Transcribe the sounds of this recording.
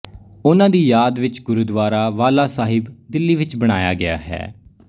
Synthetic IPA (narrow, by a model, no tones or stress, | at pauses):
ʊnãːd̪iːjaːd̪ʋɪt͡ʃɡʊɾuːd̪ʋaːɾaːʋaːlaːsaːɦɪbd̪ɪlːiːʋɪt͡ʃbəɽ̃aːja̰ːɡɪa̰ːɦɛ̰ː